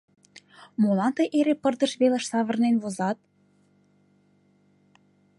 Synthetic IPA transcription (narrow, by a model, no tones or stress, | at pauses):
molɑnt̪ɤjʔeɾepə̆rd̪ə̆ʃβelə̆ʃsɑβə̆rnenβozɑt̪̚